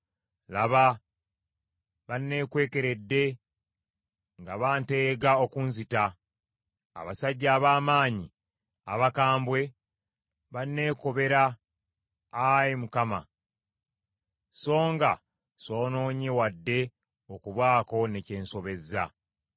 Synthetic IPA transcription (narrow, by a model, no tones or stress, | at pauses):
laβa | βanːe̞ːkwe̞ːke̞ɾe̞dːe̞ | ŋɡaβaːnte̞ːɡao̞kunzita | a̰βasaɟːaːβaːmaːɲi | a̰βakaːmbwe̞ | βanːe̞ːko̞βe̞ɾa | jimukama̰ | so̞ːŋɡa | so̞ːno̞ːɲewadːe̞ | okuβwaːko̞ne̞ce̞ːnso̞βe̞zːa̰